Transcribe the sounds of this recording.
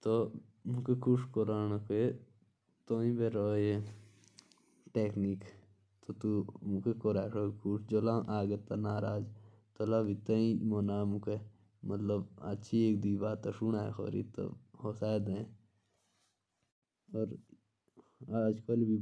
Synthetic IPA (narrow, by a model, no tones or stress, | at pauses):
t̪o | mũkekʰuʂkoɾaːnoke | t̪oːĩbeɾoje | ʈeːknik | t̪ot̪umũkekoɾaːʂokʰuʂd͡ʒolãʔaːɡet̪anaːɾaːd͡ʒ | t̪olabit̪ɐĩmonaːmũke | mɐt̪ləbɐtːʃʰieːkd̪iːbaːt̪ːaʃunaːḛxo̰ːɾḭt̪o̰hosaːd̪ẽ | ɔːɾ | aːd͡ʒkəlbʱi